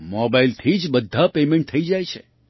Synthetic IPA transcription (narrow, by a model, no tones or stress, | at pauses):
mɔbailt̪ʰid͡ʒbəd̪ʱapemɛ̃ɳʈ̚t̪ʰəid͡ʒajt͡ʃʰe